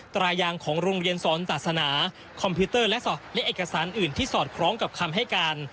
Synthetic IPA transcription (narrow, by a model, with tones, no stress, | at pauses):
t̪ɾaː˧jaː˧ŋkʰɔː˩˦ŋɾoː˧ŋɾi˧ənsɔː˩˦nsaː˨˩t̪̚sa˧naː˩˦ | kʰɔ˧mpʰuː˦˥t̪ɤː˥˩lɛ˦˥ʔslɛ˦˥ʔeː˨˩ka˧saː˩˦nʔɯː˨˩nt̪ʰiː˥˩sɔː˨˩t̪̚kʰɾɔː˦˥ŋka˨˩p̚kʰa˧mɦa˥˩jkaː˧n